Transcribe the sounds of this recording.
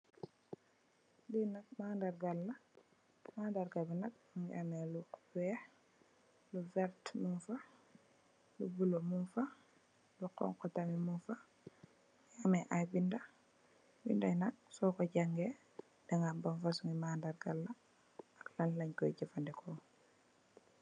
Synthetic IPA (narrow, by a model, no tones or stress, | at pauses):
dinak̚mandaɾɡalːa | maːndaɾɡabinak̚ŋɡ̰ameluku̥be | luvɛɾtmunfa | lubulomumfa | luqɔ̰ŋkɔtamimunfa | ɡameʔajbinda | bḭndainak̚sɔkoɟaŋɡe | daŋɡambaɱfasuŋimaːndaɾɡalːa | aklanlaɲkɔjɟifandɛkʰɔ